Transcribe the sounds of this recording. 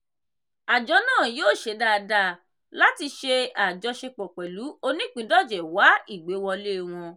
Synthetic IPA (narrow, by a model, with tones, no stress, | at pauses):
a˨d͡ʒɔ˨˧˦nãː˦˨joː˦˨ʃe˧da˧da˧ | la˦ti˧ʃe˧a˨d͡ʒɔ˨˧˦ʃe˧k͡pɔ˨k͡pɛ˨lu˨˦o˧nĩ˦˨k͡pĩ˨˦dɔ˦˨d͡ʒɛ˨wa˨˦i˦˨ɡ͡be˨˦wɔ̃˧le˦˨w̃ɔ̃˧